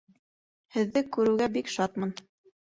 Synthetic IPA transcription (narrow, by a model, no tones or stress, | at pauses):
hɘ̆ðːɘkʉɾɘ̆wɡæbikʃɑt̪mɤn